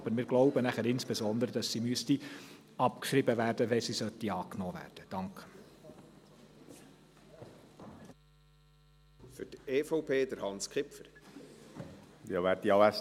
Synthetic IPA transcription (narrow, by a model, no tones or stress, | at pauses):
bəɾmɪːɾɡ̥lɔʊbənæχæɾɪnsb̥ezɔnd̪əɾəd̥ɑsːimyəsti | ɑpkʃɾibəvæːɾd̥əʋɛsisœt̪ːiɑːknoːvæ̰ːrd̥əd̥ɑŋk | fʏteːfɔʊpʰeːd̪əɾhɑnskχɪpfəɾ | jɑʋæːɾtiɑæs